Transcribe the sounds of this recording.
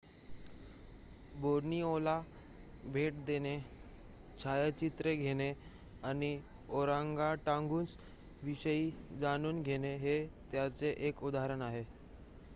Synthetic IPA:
boɾniola | bʱeʈd̪ene | t͡ɕʰajət͡ɕit̪ɾeɡʱeɽ̃e | añi | oɾaŋɡaʈãŋɡuːnt͡s | ʋiɕəiːd͡zañuːnɡʱeneɦet̪jat͡seʔekud̪aɾənaɦe

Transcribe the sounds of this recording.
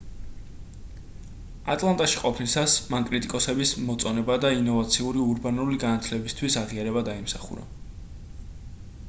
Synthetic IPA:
at̪ʼlˠant̪ʼaʃiqʼɔpʰnisasmankʼɾit̪ʼikʼɔsɛbismɔt̪sʼɔnɛbad̪ainɔvat̪sʰiuɾiuɾbanuliɡanat̪ʰlɛbist̪ʰwisaʁiaɾɛβad̪aimsaχṵɾa̰

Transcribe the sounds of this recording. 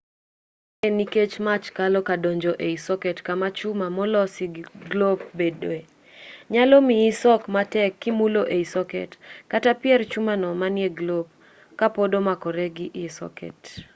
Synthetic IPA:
eniket͡ʃmat͡ʃkalɔkadoɲd͡ʒoʔeisɔkɛtkamat͡ʃumamɔlɔsɪɡlop̚bedoe | ɲalɔmiːsɔkmatɛkːimuloʔeisɔkɛ̰tkatapɪɛrt͡ʃumanɔmanjeɡlop̚ | kapodomakɔɾɛɡɪʔɪsɔ̰kɛ̰t

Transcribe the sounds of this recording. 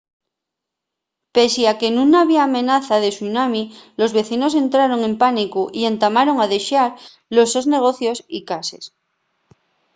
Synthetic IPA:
pe̞seake̞nũnaβiaːmẽ̞naθaðe̞sunamilo̞zβe̞θino̞se̞nt̪ɾaɾo̞ŋẽ̞mpanikuʔie̞nt̪amaɾo̞ŋaðe̞ʃaɾ | lo̞sozne̞ɣ̞o̞θjo̞sikase̞̰s

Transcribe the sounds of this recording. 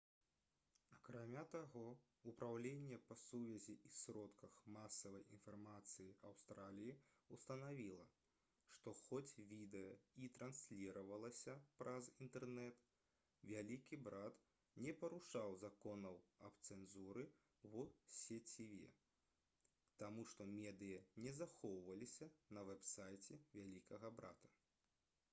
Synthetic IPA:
ɐkɾamʲat̪aɣɔ | upɾawlʲenʲːɛpɐsuvʲɐzʲiisɾɔt̪kɐxmasɐvɐjinfarmat̪sɨjiawst̪ɾalʲijiust̪ɐnavʲilˠɐ | ʂt̪ɔxɔt͡sʲvʲid̪ɛjɐit̪ɾansʲlʲiɾɐvɐlˠɐsʲɐpɾʔɐzint̪ɛrnɛt̪ | vʲalʲikʲibɾat̪ | nʲɛpɐɾuʂawzakɔnɐwɐbt̪sɛnzuɾɨ | wusʲɛt͡sʲivʲɛ̰ | t̪amuʂt̪ɔmʲɛd̪ɨjɐnʲɛzaxɔwvɐlʲisʲɐnɐvɛpsajt͡sʲɛvʲalʲikɐɣɐbɾa̰t̪ɐ̥

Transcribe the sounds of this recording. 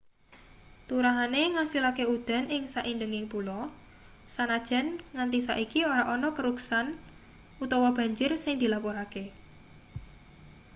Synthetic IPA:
t̪uɾaɦaneŋasilakeud̪̥a̤nɪŋsaʔindəŋɪŋpulɔ | sanad̥ʒ̥a̤nŋant̪isa̰ʔikioɾaʔɔnɔkəɾuksan | ut̪ɔwɔb̥a̤ɲd͡ʒʊrsɪŋd̪̥ilapɔɾake

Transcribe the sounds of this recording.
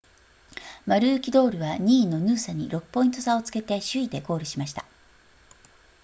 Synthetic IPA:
maɾɯ̟ːkʲid̪o̞ːɾɯ̟βaɲ̟iːnːo̞nɯːsaɲ̟iɾo̞kɯ̥pːo̞ĩnt̪o̞sao̞t͡sɨ̥ke̞t̪e̞ɕɨid̪e̞ko̞ːɾɯ̟ɕimaɕi̥t̪a

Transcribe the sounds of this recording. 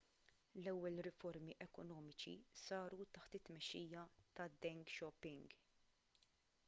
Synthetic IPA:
lɛwːɛlɾɪfɔɾmiʔɛkɔnɔːmɪt͡ʃḭsɐːɾut̪ɐħt̪ɪt̪ːmɛʃːiːjɐt̪ɐd̪ɛŋɡʃɔpːɪŋɡ

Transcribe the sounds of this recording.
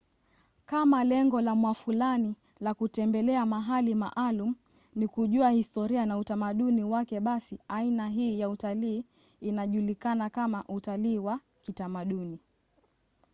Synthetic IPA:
kamalɛŋɡɔlamwafulani | lakutɛmbɛlɛamaɦalima̰ʔalum̩ | nikuʄuahistɔɾianautamaɗuniwakɛɓasiainaɦiːjautaliː | naʄulikanakamaʔutaliːwa | kitamaɗuni

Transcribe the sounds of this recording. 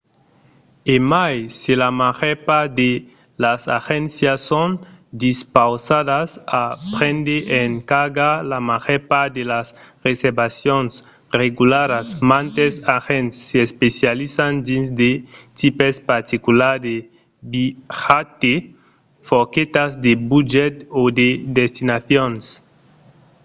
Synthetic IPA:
emajsilamaʁepad̪e | lasa̰xensjasond̪ispawsaðasapɾend̪eʔeŋkaɾɡalamaʁepad̪elasreseɾbasjons | reɣulaɾasmãnt̪esaxensːeespesjalisand̪ĩnsd̪et̪ipespaɾt̪ikulaɾe | bixat̪e | foket̪azd̪ebud͡ʒɛt̪od̪ed̪est̪inaθjons

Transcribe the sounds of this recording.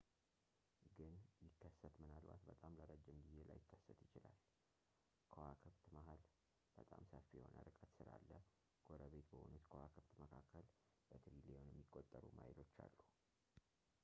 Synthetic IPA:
ɡɨnjɪkʰːəsːət̪mɨnalba̰t̪bət̪ʼamləɾəd͡ʒːɪmɡɨjːela̰jɪkʰːəsːət̪jɪt͡ʃɪlal | kʰəwakʰɨβt̪mahal | b̥ət̪ʼamsəfijɛho̞̰nə̰ɾɨkʼət̪sɨɾa̰lːə | ɡ̥o̞ɾəβe̞t̪bəʔunut̪kʰəwakʰɨβt̪məkʰakːəl | bət̪ʰɾileonjɛmːikʼːot̪ʼːəɾumajɪlo̞t͡ʃːalːu

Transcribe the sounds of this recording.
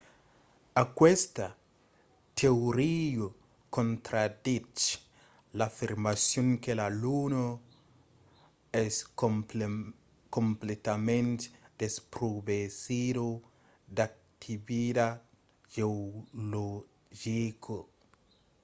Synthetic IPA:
akwest̪a | t̪ʰeoɾiu | kont̪ɾad̪it͡ʃ | lafiɾmasjoŋkelaluno | ɛs | komplet̪amẽnt̪d̪̥espɾubesidu | d̪ak̚ | t̪ʰiβida | ʒeolo | ʒikʰo

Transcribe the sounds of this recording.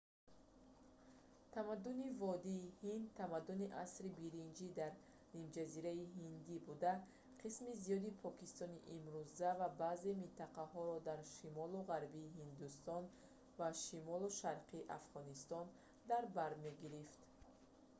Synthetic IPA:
t̪ʰamad̪ːunivɔd̪iːhind̪̚t̪ʰːamad̪uniʔasɾibiɾind͡ʒid̪aɾ | nimd͡ʒaziɾaiɦind̪ibud̪a | qʰismizijɔd̪ipʰɔkist̪ɔniʔimɾuzavabaze̞mint̪ʰaqahɔɾɔd̪aɾʃimɔluʁaɾbiːhind̪ust̪ɔn | vaʃimɔluʃaɾqʰiːʔa̰fʁɔnist̪ɔn | d̪aɾbaɾme̞ɡiɾift̪

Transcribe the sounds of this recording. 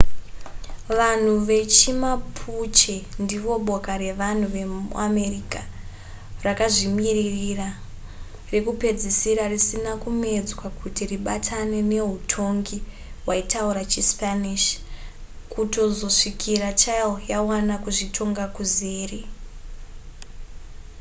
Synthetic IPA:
ʋan̤uʋe̞t͡ʃimapʰut͡ʃendiʋo̞ɓo̞kaɾe̞ʋan̤uʋe̞ṵame̞rika | rakaʐimiririra | rekupe̞d͡zisiɾarisinakume̞d͡zwakutiriɓatʰane̞ne̞ɦutʰo̞ŋɡi | waitauɾat͡ʃispaniʃ | kuto̞zo̞ʂikʰiɾat͡ʃalojawanakuʐitʰo̞ŋɡakuzeːre

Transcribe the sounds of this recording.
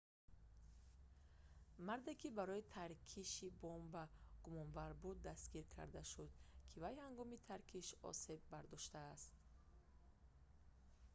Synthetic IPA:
maɾd̪e̞kʰibaɾɔit̪ʰaɾkʰiʃibɔmbaɡ̥umɔnvaɾbud̪ːast̪ɡiɾkʰa̰ɾd̪aʃud̪kʰivajhaŋɡɔmit̪ʰaɾkʰiʃɔ̰se̞bːaɾd̪ɔʃt̪aːst̪

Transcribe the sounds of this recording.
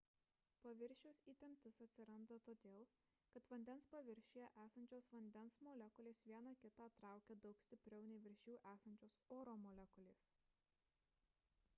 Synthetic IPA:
pɐʋʲɪɾʲʃʲʊsʲiːt̪ʲɛmʲt̪ʲɪsɐt̪ʲsʲɪɾɐnd̪ɐt̪oːd̪ʲeːlˠ | kɐt̪ʋɐnʲd̪ʲɛnspɐʋʲɪɾʲʃʲʊjɛʔæːsɐnʲt͡ʃʲoːsʋɐnʲd̪ʲɛnsmoːlʲɛkʊlʲeːsʋʲiɛnɑkʲɪt̪ɑːt̪ɾɑˑʊkʲɛd̪ɒʊksʲt̪ʲɪpʲɾʲɛʊnʲɛɪʋʲɪɾʲʃʲuːʔæːsɐnʲt͡ʃʲoːsoːɾoːmoːlʲɛkʊlʲeːs

